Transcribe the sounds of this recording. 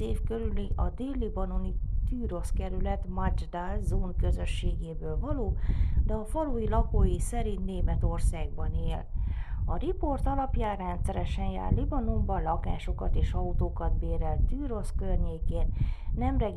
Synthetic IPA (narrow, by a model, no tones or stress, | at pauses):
eːfkøɾyliʔɒd̪eːlːibɒno̞nit̪yːɾo̞skɛɾylɛt̪mat͡ʃd̪alzoːnkøzø̞ʃːeːɡeːbøːlvɒloːd̪ɛɒfɒlujilɒkoːjisɛɾint̪neːmɛt̪o̞rsaːɡbɒneːlɒɾiport̪ɒlɒpjaːrɛnt̪sɛɾɛʃɛnja̰ːrlibɒno̞mbɒlɒka̰ːʃo̞kɒt̪eːʃɒut̪oːkɒd̪beːɾɛlt̪yːɾo̞skørɲeːkeːnnɛmrɛɡ